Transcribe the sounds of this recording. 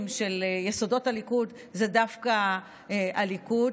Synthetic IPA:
mʃe̞ljeso̞do̞talikud | zedafka | ʔaliku

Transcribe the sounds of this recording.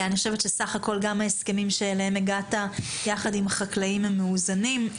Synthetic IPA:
aniχo̞ʃeve̞tʃesaχako̞lɡamhaeske̞mimʃeːlaemeɡatajaχadimhaχaklaimamːeuzanim

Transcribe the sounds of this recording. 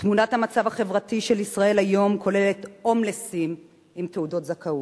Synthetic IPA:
tmunathamat͡savaχe̞vʁatiʃe̞lisʁae̞lajo̞mkʰo̞le̞le̞to̞mlesim | imteudo̞tzakau

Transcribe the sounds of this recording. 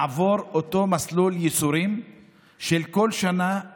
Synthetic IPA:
avo̞ʁot̪o̞masluljesuɾim | ʃelko̞lʃana

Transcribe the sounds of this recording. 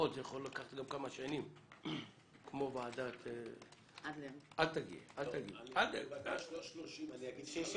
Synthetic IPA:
otzejaχolːakaχḁt̪ɡamkamaʃanim | kmo̞vaːdat̪e | adal̚t̪aɡḭʔalt̪aɡialt̪aaʃloʃniaɡi

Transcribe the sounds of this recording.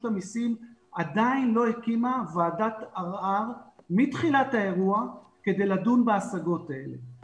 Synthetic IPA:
t̪amisimad̪ainlo̞hekimavaːdataʁaʁmit̪χilathae̞ʁua | ke̞d̪e̞jladunbaasaɡo̞tae̞̰lḛ

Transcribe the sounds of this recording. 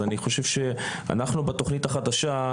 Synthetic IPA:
aniχo̞ʃe̞v̥ʃe̞a̰naχnubet̪o̞χnitaχad̪aʃa

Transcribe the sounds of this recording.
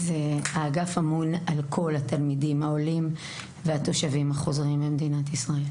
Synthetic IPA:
zeaːɡafamunalkʰo̞lhat̪almidimhao̞lim | veat̪o̞ʃavimhaχo̞zʁimbemed̪inat̪isʁae̞l

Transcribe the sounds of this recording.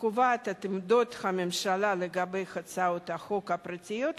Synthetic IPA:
kuvat̪at̪ɪmd̪ot̪xamemʃalaleɡabejxat͡saot̪axokapɾat͡sʲɪjot̪

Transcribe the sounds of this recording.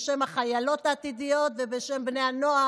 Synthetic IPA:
ʃemaχajalo̞t̪aːt̪id̪ijo̞tvebeʃe̞mbne̞jano̞a

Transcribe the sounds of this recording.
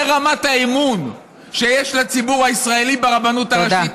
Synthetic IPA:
eʁamataemun | ʃejeʃlat͡sibuʁhaisʁaelibeʁabanutaait

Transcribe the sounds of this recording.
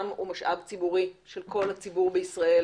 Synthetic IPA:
mṵmaʃʔa̰vt͡sibuʁiʃelkʰo̞lhat͡sibuʁbeisʁael

